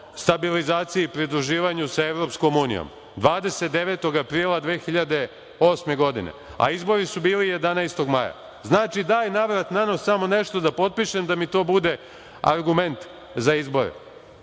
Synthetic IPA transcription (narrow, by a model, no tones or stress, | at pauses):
st̪abilizaːt̪sijiipɾid̪ɾuʒiːʋaɲusae̞ʋɾo̞psko̞muːnḭjo̰m | d̪ʋaːd̪e̞set̪̚d̪e̞ʋe̞t̪o̞ɡapɾiːlˠad̪ʋeːxiʎad̪e̞ | o̞sme̞ɡo̞d̪ḭnḛa̰izbo̞ɾisubiːlije̞d̪anajst̪o̞ɡmaja̰ | znaːt͡ʃid̪aːjnaʋɾat̪nanosamo̞ne̞ʃt̪o̞d̪apo̞t̪̚piːʃe̞md̪amit̪o̞ːbud̪e̞ | a̰ɾɡume̞nt̪ | zaizbo̞ɾḛ